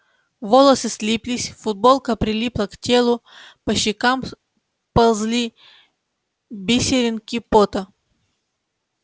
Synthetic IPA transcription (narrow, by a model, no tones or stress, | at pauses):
volˠɐsɨsʲlʲipʲlʲisʲfʊd̪̚bolˠkəpɾʲɪlʲiplˠɐktʲelˠʊpɐɕːɪkam | pɐlˠzlʲi | bʲisʲɪɾʲɪnkʲipot̪ɐ